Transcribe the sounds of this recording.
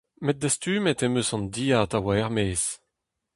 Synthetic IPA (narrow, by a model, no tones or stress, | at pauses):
mɛt̚d̪ast̪yːmɛt̪emøsɑ̃nd̪iːaːt̪awaɛʁmeːs